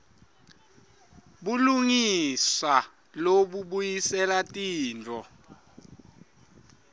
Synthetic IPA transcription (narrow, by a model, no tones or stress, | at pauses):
ɓuluŋisa | loɓuɓujisɛlatʼiːnt͡fʼɔ